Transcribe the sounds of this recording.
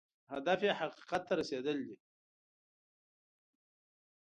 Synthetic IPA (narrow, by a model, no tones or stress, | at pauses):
had̪afjehaqi̥qat̪ːaɾased̪əld̪i